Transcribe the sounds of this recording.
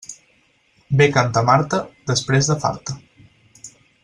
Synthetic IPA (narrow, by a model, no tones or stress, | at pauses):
bekant̪amaɾt̪əd̪əspɾezðəfa̰ɾt̪ə